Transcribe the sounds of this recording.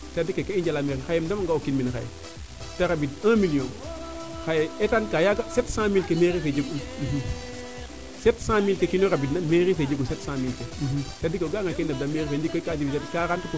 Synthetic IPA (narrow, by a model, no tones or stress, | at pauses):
sadikekeiɲd͡ʒalameɾexajemdamaŋɡaokinminxa̰jḛ | taɾabidãmilijon | xajeetankajaɡasetsãːmilkemeɾifed͡ʒuɡunm̩ɦ | setsãmilkekinoɾabinameɾifed͡ʒuɡusetsãːmilkesadikeɡaːŋɡakendadameɾifed͡ʒikːokasifisadkaɾantiku